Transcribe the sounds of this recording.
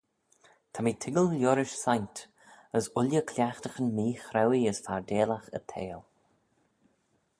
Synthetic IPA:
t̪ʰamiːt̪ʰɪɡəllʲjʊɾɪʃsajnt̪ | əsʊlʲjəkʰlʲjaxt̪əxənmiːxɾawiəsfaɹdeːlaxə̰t̪ʰḛːl

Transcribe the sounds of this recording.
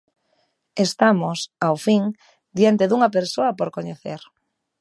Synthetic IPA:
est̪amosawfiŋ | d̪jant̪eðuŋɐpeɾsoɐpoɾkoɲeθḛɾ

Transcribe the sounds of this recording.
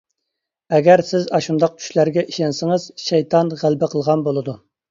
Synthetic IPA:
ɛɡʲɛɾsɪzɑʃund̪ɑq̚t͡ʃʲʰy̥ʃlæɾɡʲɛʔiʃɛnsɪŋəz̥ʃɛjt̪ʰɑnʁælbɪqʰəlˠʁɑnbolˠɨd̪u

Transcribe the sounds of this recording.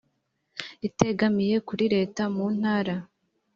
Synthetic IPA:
ite̞ɡamije̞kuɾiɾe̞ːtamun̥haːɾa

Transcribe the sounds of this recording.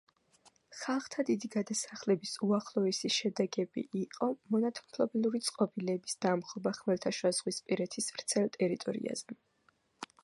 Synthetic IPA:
χalˠχt̪ʰad̪id̪iɡad̪asaχlɛbisuaχlˠɔɛsiʃɛd̪ɛɡɛbḭʔiqʼɔmɔnat̪ʰmpʰlˠɔbilˠuɾit̪sʼqʼɔbilɛːbisd̪̥amχɔbaχmɛɾt̪ʰaʃwazʁwispʼiɾɛt̪ʰisvɾt̪sʰɛlˠt̪ʼɛɾit̪ʼɔ̰ɾḭa̰z̥ɛ

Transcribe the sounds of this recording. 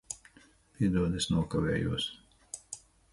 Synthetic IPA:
p̪id̪uɔd̪esnuɔkaʋɛ̰ːjṵɔs

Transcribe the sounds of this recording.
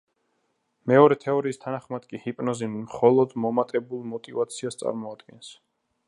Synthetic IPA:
mɛɔɾɛt̪ʰɛɔɾiːst̪ʰanaχmad̪̥kʼihipʼnɔzinmχɔlˠɔd̪mɔmat̪ʼɛbulˠmɔt̪ʼivat̪sʰiast̪sʼa̰ɾmɔad̪̥ɡɛns

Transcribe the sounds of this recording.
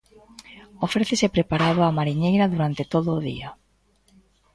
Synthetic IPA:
ofɾeθesepɾepaɾaðʊamaɾiɲejɾɐðuɾant̪et̪oðʊːðḭa

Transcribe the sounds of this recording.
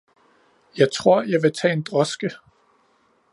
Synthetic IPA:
jɑ̈ɪt͡sʰʁo̝ɐ̰jɑ̈ɪʋe̝t͡sʰɛ̰ːe̝nd̥ʁɒsɡ̥ə

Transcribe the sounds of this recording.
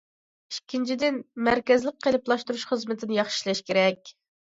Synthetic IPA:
ikʲʰːint͡ʃʰid̪ɪnmæɾkʲɛzlˠəq̚qʰelˠɪplˠɑʃt̪uɾuʃχəzmɪt̪ʰɪnɪjɑχʃi̥lˠɛʃkʲeɾɛkʲ

